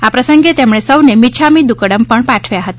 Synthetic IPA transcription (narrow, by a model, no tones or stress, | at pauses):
apɾəsəŋɡet̪emɳesəwnemit͡ʃʰamid̪ukəɽəmpəɳpaʈʰʋjaɦət̪a